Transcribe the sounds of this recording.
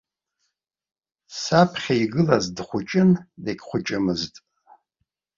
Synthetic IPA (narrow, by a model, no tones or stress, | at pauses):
sapʰχʲaiɡɨlazdχʷʊt͡ʃʼɪndeɡʲχʷʊt͡ʃʼɪmɨztʼ